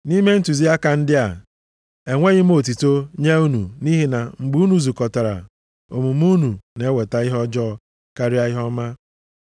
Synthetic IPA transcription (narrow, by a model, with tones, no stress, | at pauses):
ni˦me˦n̩˦tu˨zi˦a˦ka˨n̩˦dɪ˦a˨ | e˨ŋʷe˦ɣɪ˦m̩˦o˨t̬i˨to˦ɲe˦u˦nu˨ni˦ɦi˦na˨ŋ͡m̩˨ɡ͡bu˦u˦nu˦zu˨kɔ˨ta˨ɾa̰˨ | o˨mu˨m˦u˦nu˨ne˦we˨ta˦i˦ɦɔ˦d͡ʒɔ˦˨ | ka˦ɾi˦a˦i˦ɦɔ˦ma˦